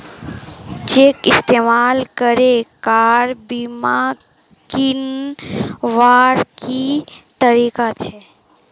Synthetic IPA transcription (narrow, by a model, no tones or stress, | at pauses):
t͡ʃekɪst̪emalkəɾekaɾbima | kin | ʋaɾkit̪əɾikat͡ʃʰe